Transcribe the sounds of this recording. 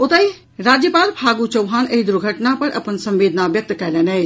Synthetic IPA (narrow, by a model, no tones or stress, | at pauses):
ot̪əj | ɾad͡ʒjəpaːlpʰaɡut͡ʃəwɦanəid̪uɾɡʱəʈnapəɾʔə̰pənsə̃mʋeːd̪ʱnabjək̚t̪kɛlɛnɛ